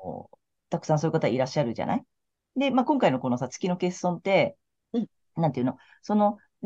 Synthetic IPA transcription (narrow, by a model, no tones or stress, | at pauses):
t̪akɯ̟̥sãsoːɾɯkat̪aiɾaɕːaɾɯ̟ʑa̰na̰i | d̪e̞maːkõ̞ŋkaino̞ko̞no̞sat͡sɨ̥kʲino̞ke̞ssõ̞nt̪e̞ | nãnt̪eiɯ̟no | so̞no̞